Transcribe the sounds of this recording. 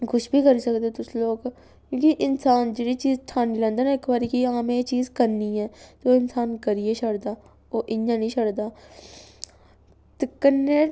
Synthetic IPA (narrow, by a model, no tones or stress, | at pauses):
kʊʃbʱiːkəɾiːsəkd̪eːt̪ʊsloːɡ | kõːkiʔɪnsaːnd͡ʒeːɽiːt͡ʃiːzʈʰaːnilə̃nd̪ənaːɪkbaːɾikiaːmẽt͡ʃiːzkəɾniːɦɛːt̪oːɪnsaːnkəɾieʃəɽd̪aː | oːʔɪɲjãːnĩːʃʰəɽd̪aː | t̪ekənːeː